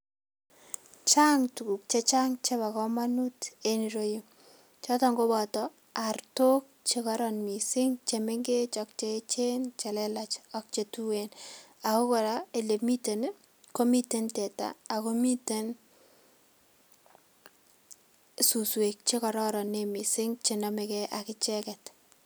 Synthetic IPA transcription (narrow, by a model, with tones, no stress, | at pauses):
t͡ʃa˦ŋtu˨ku˨k̚t͡ʃe˦t͡ʃa˦ŋt͡ʃe˦ba˨kɔ˦ma˦nu˦te˦ni˨ɾo˦ji˦ | t͡ʃɔ˦tɔŋɡo˦bɔ˨tɔ | arto˦k̚t͡ʃe˦kɔ˦ɾɔnmi˨sɪ˦ŋt͡ʃe˨me˦ŋɡe˦t͡ʃɔk̚t͡ʃet͡ʃe˦nt͡ʃe˨lɛlat͡ʃɔ˦k̚t͡ʃe˨tu˦wena˨ko˦kɔ˨ɾa˦e˨le˨mi˦te˨n | ko˦mi˦te˦ntɛ˨ta̰ː˨ko˦mi˦te˦n | suswe˨k̚t͡ʃe˦kɔ˨ɾɔ˦ɾɔ˨nːemi˨sɪ˦ŋt͡ʃe˨nɔ˦me˨kɛʔakɪ˦t͡ʃɛ˦kɛ˨t